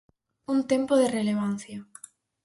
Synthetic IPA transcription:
unt̪empoðereleβ̞an̟θja

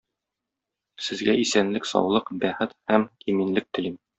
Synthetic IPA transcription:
sɘ̆zɡæisænlɘksɒ̰wlˠɤqbæχɘt̪hæmiminlɘk̚t̪ɘ̆lim

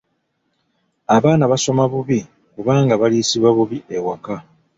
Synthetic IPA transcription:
aβaːnaβaso̞maβuβi | kuβaːŋɡaβaliːsiβwaβuβiʔewaka

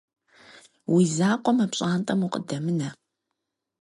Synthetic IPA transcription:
wizaːqʷɔmɐpɕʼaːntʼɐmuqʼədɐmɨnɐ

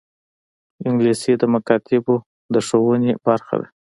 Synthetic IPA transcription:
ɪŋɡlisid̪əmakɑt̪ɪbo | d̪əʂowənebaɾxa̰d̪a̰

